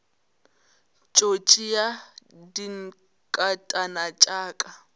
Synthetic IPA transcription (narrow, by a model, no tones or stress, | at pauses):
t͡ʃʼot͡ʃʼijadiŋ̩ | kʼatʼanat͡ʃʼaːkʼa